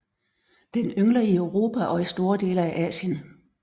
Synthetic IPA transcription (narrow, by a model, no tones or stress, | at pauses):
d̥enøŋlɐiøʊʁo̝ːpʰæʔɒ̽isd̥o̝ːɐd̥e̝ːləæʔɛ̰ːɕən